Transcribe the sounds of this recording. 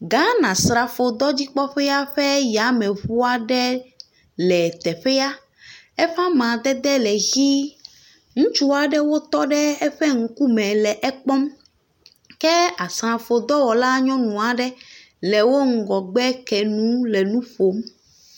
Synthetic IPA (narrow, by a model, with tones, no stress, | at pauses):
ɡã˦nã˨sɾa˨fo˨d̪ɔ˦d͡ʑi˦k͡pɔ˦ɸɛ˦a˦ɸɛ˦ja˨˦mɛ̃˨βu˦a˦ɖɛ˦ | lɛ˨t̪ɛ˨ɸɛ˦a˦ | ɛ˦ɸã˦mã˨d̪ɛ˦d̪ɛ˦lɛ˨ɣi˦ | ŋũ˦t͡ʃu˦a˨ɖɛ˦wo˦t̪ɔ˦ɖɛ˦ɛ˦ɸɛ˦ŋ̩˦ku˦mɛ̃˨lɛ˨ʔɛ˦k͡pɔ˦m | kɛ˦a˨sɾã˨fo˨d̪ɔ˦wɔ˨la˦ɲɔ̃˦nũ˨a˨ɖɛ˦ | lɛ˨wo˦ŋ̩˨ɡɔ˨ɡ͡bɛ˦kɛ˨nũ˦lɛ˨nũ˦ɸo˨m